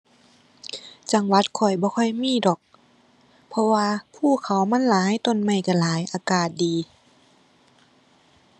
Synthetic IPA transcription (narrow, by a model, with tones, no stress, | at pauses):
t͡ɕa˧ŋwa˧˥t̪̚kʰɔ˧˩jbɔː˧˦kʰɔ˧˥˩jmiː˧˥˨dɔː˨˩k̚ | pʰɔ˧waː˧pʰuː˧˩kʰa˨˦wma˧˥˨nlaː˨˦ha˧˨jt̪o˧˨nma˧˩jka˧˩laː˨˦jʔaː˧kaː˨˩t̪̚diː˨˧